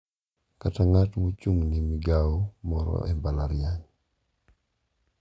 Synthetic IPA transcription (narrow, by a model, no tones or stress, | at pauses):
kataŋatmɔt͡ʃuŋnimɪɡaɔmɔɾɔ̰ʔɛmbalaɾjaɲ